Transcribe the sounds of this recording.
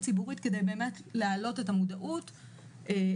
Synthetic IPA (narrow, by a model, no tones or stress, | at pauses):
t͡sibuʁitkedejbe̞ːme̞tlealo̞tetamudaʔut | e